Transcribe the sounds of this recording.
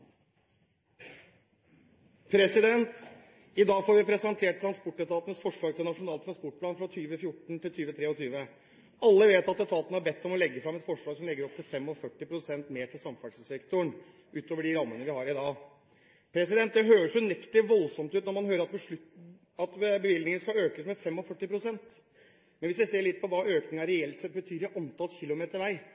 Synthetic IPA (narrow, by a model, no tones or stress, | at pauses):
pʰɾɛsɪd̪ɛnt̪ | ɪd̪ɑːɡfoːɾʋɪpʰɾɛsɛnt̪ʰeːʈ̚t̪ʰːɾɑnspɔʈːɛt̪ʰɑːt̪nəsfɔʂɭɑːɡt̪ʰɪlnɑʂʊnɑːlt̪ʰːɾɑnspɔʈ̚pʰlɑːnfɾɑt̪ʰyːʋəfjʊʈɳ̩t̪ɪlt̪ʰyːʋət̪ʰɾeːɔt̪ʰyːʋə | ɑlːəʋeːt̪ɑt̪ːɛt̪ʰɑːt̪nəhɑɾbɛt̪ːɔmɔlɛɡːəfɾɑmɛt̪fɔʂɭɑːɡsɔmlɛɡːəɾɔp̚t̪ʰɪlfɛmːɔfœʈːɪpɾʊsɛnt̪meːʈʰɪlsɑmfɑsəsɛkt̪ʊɳ | ʔʉːt̪oːʋəɖɪɾɑmːənəʋɪhɑɾɪd̪ɑː | pʰɾɛs̬ɪd̪ɛnt̪̚d̪ɛɦøːɾəʂɔnɛkt̪əʋɔlsɔmt̪ʉːt̪nɔɾmɑnɦøːɾəɾɑt̪̚bɔʂɭʉt̪ | ɑt̪bəʋɪld̪ɪŋənəskɑøːkəsmɛfɛmːɔfœʈːɪpɾʊsɛnt̪ | mɛnʋɪsd̪ɛseːɭɪt̪̚ːpʰɔʋɑːʔøːknɪŋɑɾɛɛlt̪sɛt̪̚bət̪ʰyːɾɪʔɑnt̪ʰɑlsçɪlːʊmeːt̪əɾʋæɪ